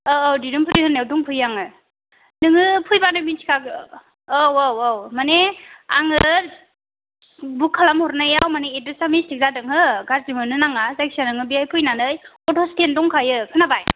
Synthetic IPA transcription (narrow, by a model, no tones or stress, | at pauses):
ɯːwdidɯmpʰɯɾihɯnewduŋpʰɯjaŋɯ | nɯŋɯpʰɯjbanɯminsʰi̥kʰaɡɯː | waawmaneaŋɯɾ | bukʰːalamhɔɾnajawmaneedɯsamisik̚zadɯŋɦɯɡaɾzimɯnɯnaŋazajk̚sanɯŋɯbijajpʰɯjnanɯj | ɔtʰɔstʰendɔŋkʰajɯkʰɯnabaj